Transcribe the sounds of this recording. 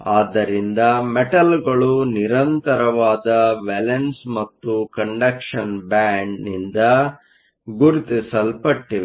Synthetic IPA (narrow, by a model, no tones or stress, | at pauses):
aːd̪ːɐɾind̪ɐmeʈɐlɡɐɭuniɾɐnt̪ɐɾɐʋaːd̪ɐʋɛlensmɐt̪ːukɐɳɖɐkʂɐnbaːɳɖnind̪ɐ | ɡuɾit̪isɐlpɐʈːiʋe